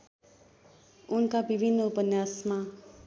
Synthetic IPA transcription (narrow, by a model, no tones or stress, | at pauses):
unkabibʱinːʌupʌnːjasma